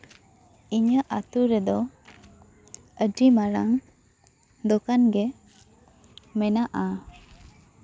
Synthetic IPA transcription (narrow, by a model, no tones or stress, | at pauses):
iɲaʔat̪uɾɛd̪ɔ | əɖimaɾaŋ | d̪okanɡɛ | mɛnaʔa